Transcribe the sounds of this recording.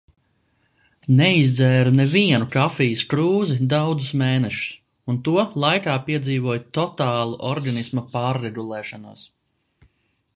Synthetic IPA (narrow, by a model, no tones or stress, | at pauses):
nɛizd̪zɛːɾunɛviɛnukafijiskɾuːzid̪awd̪zusmeːnɛʃu̥s | unt̪uɔlˠajkaːpiɛd̪ziːvuɔjt̪ɔt̪aːlˠuʔɔɾɡanismɐpaːɾːeɡulˠɛːʃɔna̰ːs